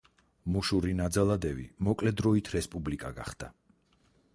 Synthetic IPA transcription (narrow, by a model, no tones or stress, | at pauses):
muʃuɾinad̪zalˠad̪ɛvimɔkʼlɛd̪ɾɔit̪ʰɾɛspʼublikʼaɡa̰χd̪̥a